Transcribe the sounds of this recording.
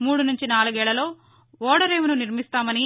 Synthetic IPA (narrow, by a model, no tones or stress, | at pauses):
muːɽunuɲt͡ʃinaːluɡɛːɭːɐlo̞ː | ɔːɽɐɾeːmununiɾmist̪aːmɐni